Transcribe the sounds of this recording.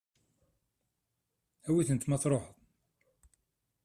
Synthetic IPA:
æwiθənt̪mɑθɾˤoħəðˤ

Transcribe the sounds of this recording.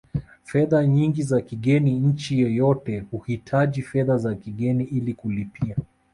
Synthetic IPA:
fɛðaɲiŋɡizakiɠɛniɲ̩t͡ʃijɛjɔtɛhuhitʰaʄifɛðazakiɠɛniʔilikulipia

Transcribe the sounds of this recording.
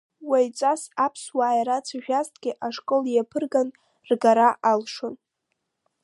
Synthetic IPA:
wajt͡sʷʼasapʰswaːjɾat͡sʰaʒᶣaztʼɡʲɪʔaʂkʼoljapʰɨrɡan | rɡaɾaʔalʂon

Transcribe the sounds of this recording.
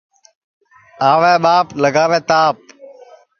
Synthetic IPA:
aːʋẽːɓaːpləɡaːʋẽːt̪aːp̚

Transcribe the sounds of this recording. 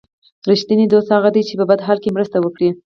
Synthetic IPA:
ɾiʃt̪inid̪ost̪haɣad̪ijt͡ʃepabad̪ɦɑlkemɾəst̪awəkɽi

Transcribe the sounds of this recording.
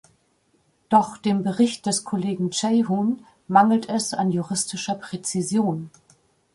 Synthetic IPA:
d̥ɔχd̥eːmbəʁɪçt̚d̥ɛskʰoleːɡŋ̩t͡ʃɛɪɦuːn | maŋl̩tɛsanjuʁɪstɪʃɐpʁ̥et͡sizjoːn

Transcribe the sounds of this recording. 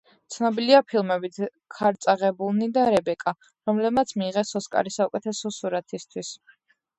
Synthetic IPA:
t̪sʰnɔbiliapʰilˠmɛbit̪ʰ | kʰaɾt̪sʼaʁɛbulˠnid̪aɾɛbɛkʼa | ɾɔmlɛb̚mat̪sʰmiːʁɛsɔskʼa̰ɾisaukʼɛt̪ʰɛsɔsuɾat̪ʰist̪ʰwis

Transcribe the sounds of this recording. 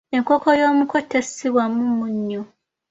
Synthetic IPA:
eŋko̞ko̞jo̞ːmuko̞tːesiβwamumuɲːo

